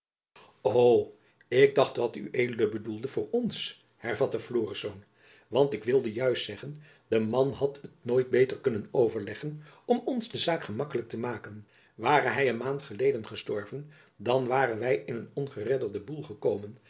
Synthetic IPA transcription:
ow | ɪɡ̚dɑχtʋɑty̰ʔejlədəbədulˠdəvʊːɹɔns | hɛɹvɑtəfloːrisown | ʋɑntɪkʋɪlˠdəjœɥstsɛχən | dəmɑnɦɑtətnoːjt̚bejtəɹkɵnənowvəɹlɛχənɔmɔnzdəzaːkχəmɑkələk̚təmaːkən | ʋaːrəɦɛjənmaːntχəlejdənχəstɔɹvən | dɑnʋaːrənʋɛjɪnənɔnχərɛdəɹdəbulˠχəkowmən

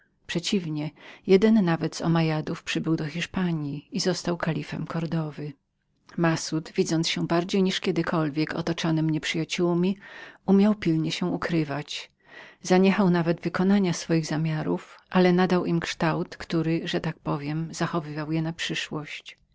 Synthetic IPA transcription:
pʂɛt͡ɕivɲɛjɛd̪ɛnːavɛd̪zɔ̰majad̪ufpʂɘbɘwd̪ɔxʲiʂpaɲjiizɔst̪awkalʲifɛ̰mkɔɾd̪ɔvɘ | masut̪vʲid̪zɔnsɕɛ̃baɾd͡ʑejɲiʂkʲɛd̪ɘkʰɔlvʲjɛkɔ̰t̪ɔt͡ʂɔnɘmɲɛpʂɘjat͡ɕuwmʲiumʲjawpʲilɲɛɕɛ̃ukɾɘvat͡ɕ | zaɲɛxawnavɛd̪vɘkɔnaɲasfɔjiɣzamʲjaɾufʔalɛnad̪awʔimkʂt̪awt̪kt̪uɾɘʐɛt̪ak̚pɔvʲjɛmz̥axɔvɘvawjɛnapʂɘʂwɔɕt͡ɕ

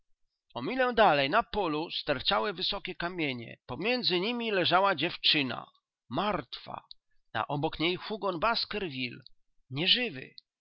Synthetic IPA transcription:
ɔmʲilɛwd̪alɛjnapɔlust̪ɛɾt͡ʃawɘvɘsɔkʲɛkamʲjeɲɛ̰pɔmʲjɛnd̪zɘɲimʲilɛʐawad͡ʑɛft͡ʂɘna̰ | maɾt̪fa̰ | na̰ʔɔbɔkɲejxuɡɔnbaskɛɾvʲil | ɲɛʐɘvɘ̰

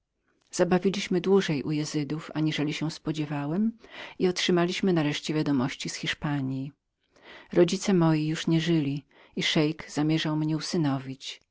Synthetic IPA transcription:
z̥abavʲilʲiɕmɘd̪wuʐɛjʔujɛzɘd̪ufa̰ɲiʐɛlʲiɕɛ̃spɔd͡ʑɛvawɛmiɔtʂɘmalʲiɕmɘnaɾɛʂt͡ɕɛvʲjad̪ɔmɔɕt͡ɕisxʲiʂpaɲji | ɾɔd͡ʑit̪sɛmɔjijuʂɲɛʐɘlʲi | iʂɛjkz̥amʲjɛʐawmɲɛusɘnɔvʲit͡ɕ

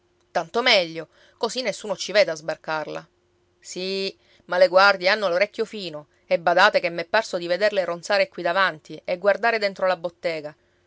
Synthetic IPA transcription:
t̪ant̪omɛʎːo | kosinːesːuːnot͡ʃived̪eazbarkarla̰ | si | maleɡward̪jeanːoloɾɛkʲːjofiːno | ebːad̪aːt̪ekemːepːarsod̪ived̪erleront̪saːɾekwid̪avant̪ieɡward̪aːɾed̪ent̪ɾolabot̪ːeːɡa

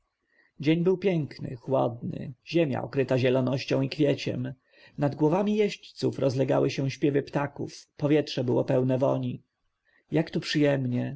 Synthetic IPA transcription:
d͡ʑeɲbɘwpʲjɛŋknɘ̰xwɔ̰d̪nɘ̰ʑemʲja̰ɔkɾɘt̪aʑɛlɔnɔɕt͡ɕɔ̃w̃ikfʲjɛt͡ɕɛ̰m | nad̪ɡwɔvamʲijɛɕt͡ɕt̪sufɾɔzlɛɡa̰wɘɕɛ̃ɕpʲjɛvɘpt̪akṵfpɔvʲjɛtʂɛbɘwɔpɛwnɛvɔɲi | jakt̪upʂɘjɛmɲɛ

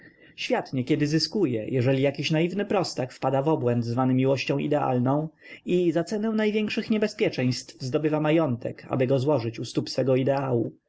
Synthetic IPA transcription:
ɕfʲjat̪ɲɛkʲɛd̪ɘzɘskujɛ̰jʔɛʐɛlʲijakʲiɕnaivnɘpɾɔst̪akfpad̪avɔbwɛnt̪zvanɘmʲiwɔɕt͡ɕɔ̃w̃ḭd̪ɛa̰lnɔ̃w̃ | izat̪sɛnɛw̃najvʲjɛŋkʂɘxɲɛbɛspʲjɛt͡ʂɛ̃j̃st̪vzd̪ɔbɘvamajɔnt̪ʰɛkʰa̰bɘɡɔzwɔʐɘt͡ɕust̪upsfɛɡɔid̪ɛawu

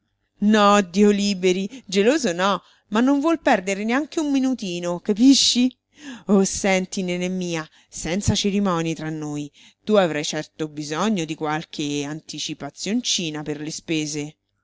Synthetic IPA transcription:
nɔd̪ːioliːbeɾid͡ʒeloːzonɔ | manːoɱvwɔlpɛrd̪eɾeneaŋkeumːinut̪iːnokapiʃːi | osɛnt̪inenemːiːa | sɛnt̪sat͡ʃeɾimɔːnit̪ɾanːoːj | t̪uavɾajt͡ʃɛrt̪obizɔɲːod̪ikwalkʰeant̪it͡ʃipat̪sːjont͡ʃiːnaperlespeːze

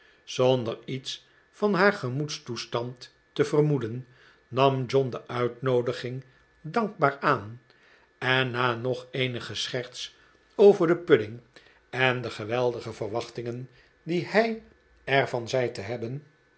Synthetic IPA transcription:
z̥ondərits | fɑnɦaːɹχəmutstustɑnt | əvərmudənː | ɑmd͡ʒɔndəʔœɥtnowdəχɪŋ | dɑŋɡ̚baːɹaːn | ɛnːaːnɔχejnəχəsχɛɹt̪s | owvəɹdəpødɪŋ | ɛndəχəʋɛlˠdəχəvərʋɑχtɪŋən | dihɛj | ɛɹvɑnzɛjtəɦɛbən

